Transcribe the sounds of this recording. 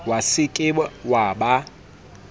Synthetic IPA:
wasɪkʼɪɓwaɓa

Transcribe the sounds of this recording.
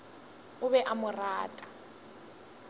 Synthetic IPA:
ʊβɛʔamʊraːtʼḁ

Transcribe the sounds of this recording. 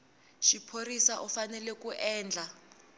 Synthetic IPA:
ʃipʰorisaʔɔfanɛlɛkuʔɛːnd͡ɮʱa

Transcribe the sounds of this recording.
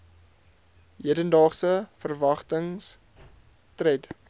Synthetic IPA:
ɦiədəndɑːχsəfərvɐχtəŋs | trɛt

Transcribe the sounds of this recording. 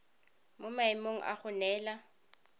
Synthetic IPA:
mʊmaɪmoŋ̩ʔa̰χʊnɛːla

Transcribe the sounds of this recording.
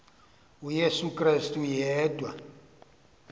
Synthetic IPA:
ujesukʼrastʼujɛːdʼwa

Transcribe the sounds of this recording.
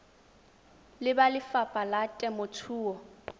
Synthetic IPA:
lɪbalɪfapʼalatʼɛmʊtʰuːɔ

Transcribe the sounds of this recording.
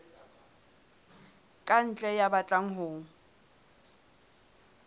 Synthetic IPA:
kʼan̩t͡ɬʼɛjabat͡ɬʼaŋ̩ɦʊːŋ̩

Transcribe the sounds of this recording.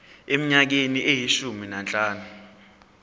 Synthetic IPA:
em̩ɲak̬eniʔejiʃuminant͡ɬʼaːnu

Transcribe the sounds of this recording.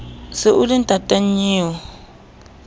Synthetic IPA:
sɪʔulintʼatʼaɲiːwɔ

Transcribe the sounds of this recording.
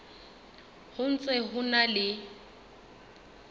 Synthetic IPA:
hʊn̩t͡sʼɛɦʊnalɪ

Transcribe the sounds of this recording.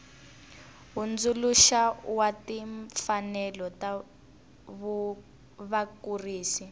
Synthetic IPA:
ɦund͡zuluʃawatiɱfanɛlɔta | βu | βakuriːsi

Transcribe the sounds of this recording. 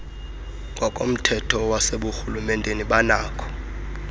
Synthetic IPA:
ŋɡʱɔkʼo̰m̩tʰɛtʰɔwaseɓuxulumɛndʱʼeniɓanaːkʰɔ̥

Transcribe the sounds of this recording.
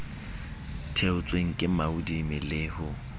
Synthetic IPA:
tʰeʊt͡sʼweŋ̩kʼɪmaʊdimɪlɪːhʊ

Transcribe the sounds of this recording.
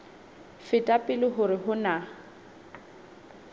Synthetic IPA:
fɪtʼapʼɪlɪɦʊɾɪɦʊna

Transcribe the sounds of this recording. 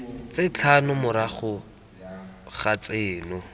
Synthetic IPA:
t͡sɪt͡ɬʰanʊmʊɾaχʊ | χat͡seːnʊ

